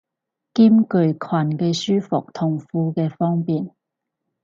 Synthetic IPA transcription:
kiː˥mkɵ˧ɥkʰwa˨˩nkɛ˧syː˥fʊ˨k̚t̪ʰʊ˨˩ŋfuː˧kɛː˧fɔː˥ŋpiː˨n

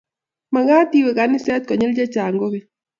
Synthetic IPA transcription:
ma˨ɣaː˦t̪i˦we˨ka˨˦ni˦sɛ˦t̪̚kɔ˨ɲe˦ld͡ʒɛ˦t͡ʃaː˨ŋɡo˦be˨

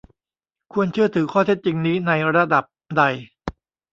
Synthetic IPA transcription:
kʰu˧ənt͡ɕʰɯ˥˩ɐt̪ʰɯː˩˦kʰɔː˥˩e˦˥t̪̚t͡ɕi˧ŋniː˦˥na˧jɾa˧da˨˩p̚da˧j

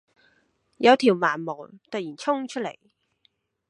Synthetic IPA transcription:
jɐ˨˧wt̪ʰiː˨˩wmaː˨˩nmo˨˩wt̪ɐ˨t̚jiː˨˩nt͡sʰʊ˥ŋt͡ʃʰɵ˥t̚le˨˩j

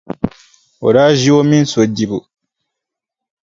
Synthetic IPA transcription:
o̰˨ɾa˦ʒi˦wo˦mĩ˦n˦so˨ɟi˨βu˨

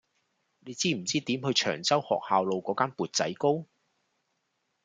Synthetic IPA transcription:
ne˨˧jt͡siː˥m̩˨˩t͡siː˥t̪iː˨˥mhɵ˨˧jt͡ʃʰœ̰ː˨˩ŋt͡sɐ˥whɔ̰ː˨k̚haː˨wlo˨˧wkɔː˨˧˥kaː˥npuː˨t̚t͡sɐ̰˨˥jko˥w

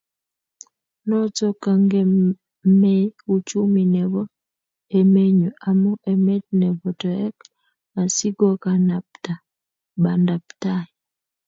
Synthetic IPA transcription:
nɔ˦t͡sɔ˦ka˨ŋɡɛ˦ | mɛ˦u˦t͡ʃu˦mi˨nɛ˨vɔ˦ | e˨me˦ɲo˨ʔa˨mɔ˦ʔɛ˨mɛ˦t̚nɛ˨bɔ˨tɔ˨ɛ˦k | a˨si˦ɡɔ˦ka˨napta˨ | ba˨nda˨p̚ta˦i

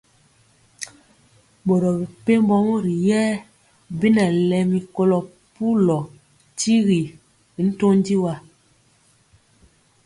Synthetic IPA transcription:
bo˨ɾɔ˨bi˨pe˦m˦bɔ˦mo˦ɾi˨jɛː˦ | bi˦na˨lɛ˨mi˨ko˨lɔ˨ | pu˦lɔ˨ | ti˦ɣi˨ | i˨˦n̩˦to˦n˦di˦wa˦˨

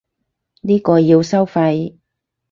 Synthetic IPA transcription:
niː˥kɔː˧jiː˧wsɐ˥wfɐ˧j

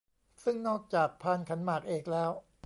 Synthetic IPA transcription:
sɯ˥˩ŋnɔː˥˩k̚t͡ɕaː˨˩k̚pʰaː˧˥˩nkʰa˩˦nmaː˨˩k̚ʔeː˨˩k̚lɛː˦˥w

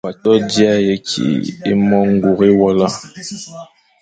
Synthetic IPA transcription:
a˨tɔ˦di˦a˦je˨˦kʰḭ˨ḛ˦mɔ˦ŋ˦ɡu˨ɣe˦wɔ˦la˦

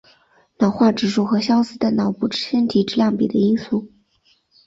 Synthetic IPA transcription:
nɑ˨˩ʊxwa˥˩ʈ͡ʂɻ̩˨˩ʂu˥˩xɤ˧˥ɕjɑ˥ʊsɹ̩˥d̪ə˨nɑ˨˩ʊpu˥˩ʈ͡ʂɻ̩˥ɕjə˥nt̪ʰi˧˥ʈ͡ʂɻ̩˥ljɑ˥˩ŋpi˨˩d̪ə˦i˥nsu˥˩

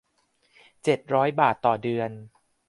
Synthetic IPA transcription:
t͡ɕe˨˩t̪̚ɾɔː˦˥jbaː˨˩t̪ːɔː˨˩dɯ˧ən

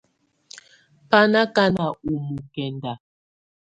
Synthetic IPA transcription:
pa˦na˦ka˦na˨u˨mu˨kɛ˨nda˨

